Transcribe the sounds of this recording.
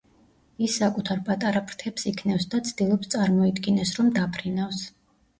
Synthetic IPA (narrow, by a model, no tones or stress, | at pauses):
isːakʼut̪ʰaɾpʼat̪ʼaɾapʰɾt̪ʰɛpsikʰnɛfsd̪at̪sʰd̪̥ilˠɔpst̪sʼaɾmɔid̪ɡinɛsɾɔmd̪apʰɾinafs